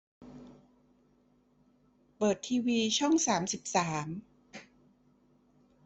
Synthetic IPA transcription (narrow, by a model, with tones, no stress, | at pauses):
pɤː˨˩t̪ʰːiː˧wiː˧t͡ɕʰɔ˥˩ŋsaː˩˦msi˨˩p̚saː˩˦m